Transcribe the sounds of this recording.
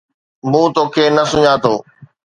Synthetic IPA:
mũːt̪oːkʰeːnɐsʊɲaːt̪ʰoː

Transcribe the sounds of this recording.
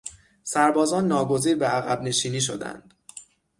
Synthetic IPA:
sæɾbɒːzɒːnːɒːɡo̞ziːɾbeæɣæbne̞ʃiːniːʃ̬o̞̰d̪æ̰nd̪̥

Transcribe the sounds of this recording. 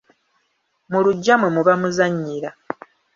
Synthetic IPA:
muluɟːamwe̞muβamuzaɲːiɾa

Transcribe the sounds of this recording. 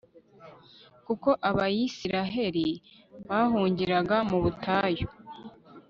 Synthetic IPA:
kuko̞ʔaβajisiɾaɦe̞ɾi | βaɦuːɲɟiɾaɡamuβutʰaːjo

